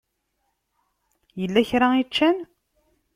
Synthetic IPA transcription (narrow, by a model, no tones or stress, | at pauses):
jəlːæçɾait͡ʃːæn